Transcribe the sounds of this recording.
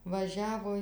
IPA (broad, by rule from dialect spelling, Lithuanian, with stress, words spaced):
ʋɐˈʒʲæːʋoː